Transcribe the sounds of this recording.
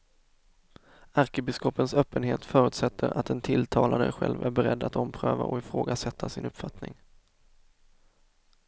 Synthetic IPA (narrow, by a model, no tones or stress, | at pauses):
aɾkəbɪskɔpːənsœːpːənheːt̪fœːɾʉ̟ːt̪sɛt̪ʰːəɾʔat̪ɛnt̪ʰɪlt̪ʰɑːlaɾəɧɛ̰lvæɾbɛɾɛd̪ːat̪ɔmpʰɾøːva̰ʔɔɪfɾoːɡasɛt̪ʰːasɪnɵpːfat̪nɪ̰ŋ